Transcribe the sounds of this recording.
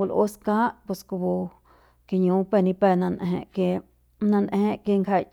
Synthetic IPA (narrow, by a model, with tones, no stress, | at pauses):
o˧lʔo̰˧˦skã˦ʔpe˧˨sko˧bo˧ | ke˧˨ɲũ˧˦pe˧˨nĩ˧pɛ˧˨nã˧nʔḛ̃˧ʔke˧ | nã˧nʔẽ˧ʔke˧ŋkha˧˨